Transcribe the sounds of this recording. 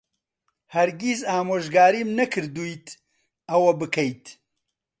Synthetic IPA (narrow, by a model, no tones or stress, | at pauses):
hɐɾɡizaːmoːʒɡaːɾiːmnɐkʰɨɾd̪ujt̪ | ɐwɐbɨkʰɐjt̪